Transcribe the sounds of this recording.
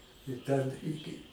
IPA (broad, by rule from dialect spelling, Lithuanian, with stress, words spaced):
ɪ ˈtʲɛn ˈɪkʲɪ